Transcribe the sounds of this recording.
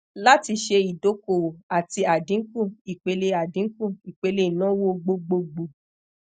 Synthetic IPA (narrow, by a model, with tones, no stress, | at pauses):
la˦ti˧ʃe˧i˨do˨˦ko˨a˨ti˧a˨dĩ˨˦kũ˦˨i˨k͡pe˨˧le˧a˨dĩ˨˦kũ˦˨i˨k͡pe˧le˧˦i˨nã˦wo˦ɡ͡bo˧ɡ͡bo˧ɡ͡bo˨